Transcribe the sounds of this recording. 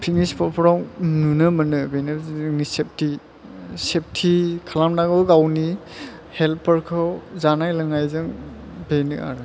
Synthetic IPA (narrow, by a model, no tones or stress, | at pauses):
pʰiŋispʰɔpʰɔɾawnunɯmɯnɯbejnɯnisep̚tʰi | sep̚tʰikʰalamnaɡɯwɡawni | helpəɾkʰɔwzanajlɯŋajzɯŋbenɯʔa̰ɾɯ